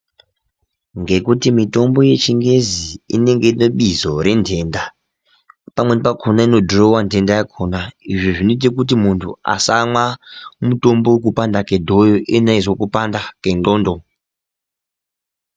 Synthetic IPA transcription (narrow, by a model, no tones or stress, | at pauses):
ŋɡe̞kutimito̞mbo̞je̞t͡ʃiŋɡe̞ziḭne̞ŋɡeinoɓizo̞ɾe̞ntʰe̞ːnda | pamwenpakʰonaino̞dʱorowantʰe̞ndajakʰonaiʐiʐinit̬ikut̬imuntʰṵa̰samwamuto̞mbo̞wek̬upandakedʱo̞joʔinaizwokupandakenɡoːndo